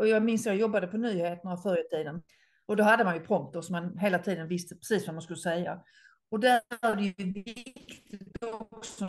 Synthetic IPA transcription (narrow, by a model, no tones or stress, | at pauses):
ɔjɑɡmɪnsajaɡjɔbːad̪əpʰɔnyːheːt̪ənafœɾjət̪ʰiːd̪ən | ɔd̪oɦad̪ːəmanjɵpʰɾɔmt̪əɾsɔmːanɦeːlat̪ʰiːd̪ənvɪst̪əpʰɾɛ̥siːsvamanskɵlːəsɛjːa | ɔd̪æad̪ɛjvɪɪkkt̪ʰɪɔksɔ